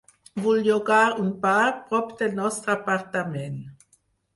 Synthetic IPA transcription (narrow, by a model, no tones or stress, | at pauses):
vuljoɡaʁunpaʁpʁɔpd̪elnɔst̪əapaʁt̪amɛn